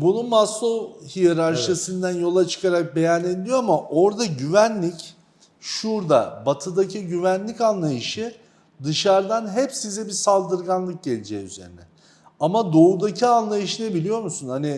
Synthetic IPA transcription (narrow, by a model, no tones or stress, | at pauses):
bununmasohijeɾaɾʃasɯnd̪ænjo̞lˠat͡ʃʰɯ̥kʰaɾak̚be̞jane̞d̪lʲijo̞amaʔo̞ɾd̪aɟyvænlʲic | ʃuɾd̪a̰bat̪ʰɯd̪acʰiɟyvænlʲicanlˠajɯʃɯ | d̪ɯʃaɾd̪anɦɛpsizɛbisalˠd̪ɯɾɡanlˠɯk̚ɟelʲid͡ʒɛːyze̞̰ɾinɛ | amad̪o̞ud̪acʰianlˠajɯʃɯnɯbilʲijo̞ɾmusunhani